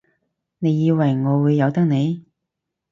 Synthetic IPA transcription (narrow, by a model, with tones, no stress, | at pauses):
ne˨˧jːiː˨˧wɐ˨˩jŋɔː˨˧wuː˨˧jːɐ˨˧wt̪ɐ˥k̚ne˨˧j